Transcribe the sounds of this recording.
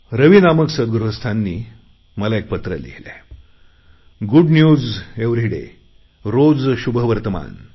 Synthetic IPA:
ɾəʋinaməksəd̪̚ɡɾuɦəst̪ʰanːiː | məlaek̚pət̪ɾə̰lḭɦle | ɡuɖnjuːd͡zeʋɾiɽḛ | ɾod͡zɕubəʋəɾt̪əma̰n

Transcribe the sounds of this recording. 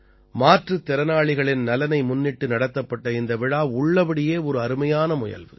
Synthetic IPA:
maːʈrɯt̪ːɛɾɐnaːɭɪɣɐɭɪnnɐlɐnɐɪmʊnːɪʈːɯnɐɽɐt̪ːɐpːɐʈːɐɪnd̪ɐʋɪɻaːʊɭːɐpɐɽɪjeːɔɾɯɐɾɯmɐjaːnɐmʊjɐ̰lʋɯ̰

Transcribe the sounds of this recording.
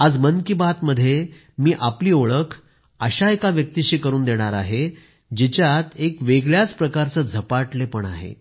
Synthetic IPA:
ad͡zmənkibat̪məd̪ʱːje | miːʔapliːoɭəkʰ | əɕaekaʋjək̚t̪iɕiːkəɾuːnd̪eɽ̃aɾa̰ɦe | d͡ʑit͡ɕjat̪ekʋeɡɭjat͡spɾəkaɾt͡səːd͡zʱəpaʈlepəɳa̰ɦḛ

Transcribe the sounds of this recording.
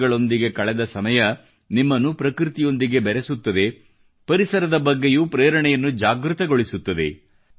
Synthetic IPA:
ɡɐɭo̞nd̪iɡe̞kɐɭɛd̪ɐsɐmɐjɐ | nimːɐnːupɾɐkɾit̪ijo̞nd̪iɡe̞bɛɾesut̪ːɐd̪e̞ | pɐɾisɐɾɐd̪ɐbɐɡːe̞juːpɾeːɾɐɳɛjɐnːud͡ʒaːɡɾut̪ɐɡo̞ɭisut̪ːɐd̪e̞̰

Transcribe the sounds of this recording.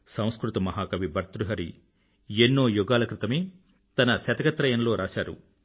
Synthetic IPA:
sɐ̃w̃skɾut̪ɐmɐɦaːkɐʋibɐɾt̪ɾuɦɐɾi | enːoːjuɡaːlɐkɾit̪ɐmeː | t̪ɐnɐsɐt̪ɐɡɐt̪ɾɐjɐnɐlo̞ːɾʔaːsaːɾṵ

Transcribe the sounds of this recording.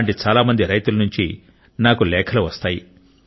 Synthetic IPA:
ɳʈit͡ʃaːlaːmɐnd̪iɾɐjt̪ulɐnuɲt͡ʃḭ | naːkulɛːkʰɐluʋɐst̪aːji

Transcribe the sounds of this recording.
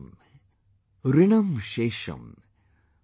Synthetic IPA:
m | riɳɐmʃeːʂɐ̰m

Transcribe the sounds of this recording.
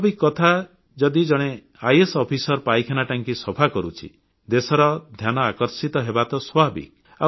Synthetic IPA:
abikɔt̪ʰa | d͡ʒɔd̪id͡ʒɔɽ̃e | ajesɔpʰisɔɾpajkʰenaʈaŋkisɔpʰakɔɾut͡ʃʰḭ | d̪esɔɾɔd̪ʱjanɔakɔɾsit̪ɔɦebat̪ɔswabḭk | a̰

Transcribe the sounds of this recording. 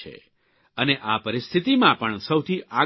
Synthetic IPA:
ḛ | əneʔapəɾɪst̪ʰit̪imãpəɳsəwt̪ʰiʔa

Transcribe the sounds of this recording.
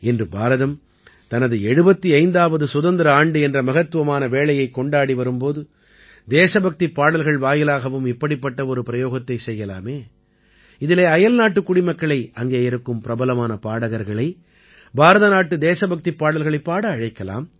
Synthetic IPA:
ɛndrɯbʱaːɾɐðɐm | t̪ɐnɐðɯɛɻɯbɐt̪ːiɐɪnd̪aːʋɐðɯsʊðɐnd̪ɪɾɐaːɳɖɯɛndrɐmɐɣɐt̪ːɯʋɐmaːnɐʋeːɭɐjɐɪkːɔɳɖaːɽiʋɐɾɯmpoːðɯ | d̪eːsɐbɐk̚t̪ipːaːɽɐlɣɐɭʋaːjɪlaːɣɐʋɯmɪpːɐɽipːɐʈːɐɔɾɯpɪɾɐjoːɣɐt̪ːɐɪsɛjːɐla̰ːmeː | ɪðɪleːɐjɐlnaːʈːɯkːʊɽɪmɐkːɐɭɐɪɐŋɡeːɪɾɯkːɯmpɪɾɐbɐlɐmaːnɐpaːɽɐɣɐɾɣɐɭɐɪ | bʱaːɾɐðɐnaːʈːɯd̪eːsɐbɐk̚t̪ipːaːɽɐlɣɐɭɐɪpːaːɽɐːɻɐɪkːɐla̰ːm

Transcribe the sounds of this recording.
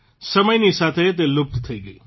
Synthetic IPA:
səməjnisat̪ʰet̪̬elʊb̚d̪t̪ʰəiɡəi

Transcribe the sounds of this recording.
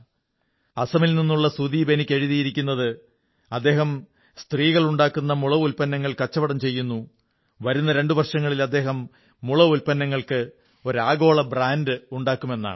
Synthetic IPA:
ɐsɐmilninːuɭːɐsud̪iːbenikʲːeɻiðijiɾikʲːunːɐðɨ | ɐd̪ːe̞ːɦɐm | st̪riːɣɐɭuɳɖaːkːunːɐmuɭɐulpɐnːɐŋːɐɭkɐt͡ɕːɐʋɐɽɐmt͡ɕe̞jːunːu | ʋɐɾunːɐɾe̞ɳɖuʋɐrʂɐŋːɐɭilɐd̪ːe̞ːɦɐmː | uɭɐulpɐnːɐŋːɐɭkɨ | o̞ɾaːɡo̞ːɭɐbraːnɖɨuɳɖaːkːume̞nːa̰ːɳɨ

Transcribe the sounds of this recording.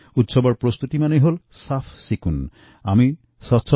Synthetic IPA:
ut̪ʃɔbɔɾpɾost̪ut̪imaneɦolsafʰsikun | ami | sɔt̪ːʃʰɔ

